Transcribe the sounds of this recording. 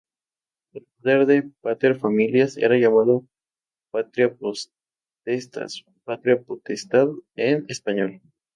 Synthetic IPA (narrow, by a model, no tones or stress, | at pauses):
elpoðe̞ɾðe̞pat̪eɾfamiljasḛɾaʝamað̞o | pat̪ɾjapo | t̪est̪a̰s | pat̪ɾjapot̪est̪aðenespaɲo̞l